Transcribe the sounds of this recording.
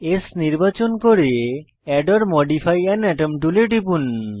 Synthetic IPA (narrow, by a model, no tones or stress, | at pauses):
esniɾbat͡ɕonkoɾe | ɛɖɔɾmɔɖifʰajɛnɛʈemʈuleʈipun